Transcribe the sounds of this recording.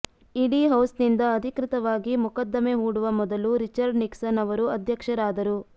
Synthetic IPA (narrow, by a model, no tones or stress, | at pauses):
iɽiɦɐwsnind̪ɐːd̪ʱikɾɪt̪ɐʋaːɡimukɐd̪ːɐmeɦuːɽuʋɐmɔd̪ɐluɾit͡ʃɐɾɖniksɐnɐʋɐɾuɐd̪ʱjɐkʂɐɾaːd̪ɐɾu